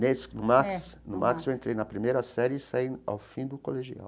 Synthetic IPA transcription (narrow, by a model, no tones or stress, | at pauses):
nesnʊmaksnʊmʔa̰ksewẽnt̪ɾejnɐpɾimejɾɐsɛɾɪsaia̰wfĩd̪ʊkoleʒia̰w